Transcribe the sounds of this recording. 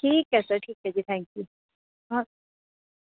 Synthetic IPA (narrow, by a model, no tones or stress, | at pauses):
ʈʰiːkɦɛsɐʈʰiːkɦɛd͡ʒit̪ʰɛ̃ːŋkju | bɔː